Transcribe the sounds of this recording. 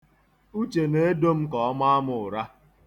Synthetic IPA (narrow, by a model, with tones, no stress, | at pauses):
u˦t͡ʃe˨ne˦e˦do˦m̩˦kɔ˨ɔ˦ma˦a˦mʊ˨ʊ˨ɾa˦